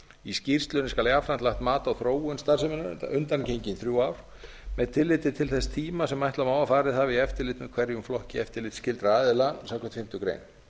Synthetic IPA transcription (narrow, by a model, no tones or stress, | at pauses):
iscir̥st̪lʏnɪskaljafɾant̪laht̪maːt̪awθɾoːwʏnst̪aɾ̥rsɛmʏnʏnt̪ancejɲcɪnθɾjuːaːwɾ̥ | mɛðt̪ʰɪlːɪt̪ɪt̪ʰɪlθɛst̪ʰiːmasɛmːajt̪lawmaːwafaːɾɪðθavɪiɛft̪ɪɾlɪt̪nʏkʰv̥ɛɾjʏmflɔhcɪɛft̪ɪɾlɪːt̪scɪlt̪ɾaaːðɪlasawkvɛt̪fɪm̥t̪ʏkɾḛjn